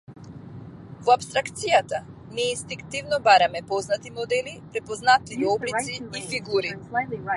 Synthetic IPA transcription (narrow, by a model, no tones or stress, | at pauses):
vɔapst̪ɾakt̪sijat̪anɛinst̪iŋkt̪ivnɔbaɾamɛpɔznat̪imɔd̪ɛlipɾɛpɔznat̪iɛɔblisiːfiɡuɾi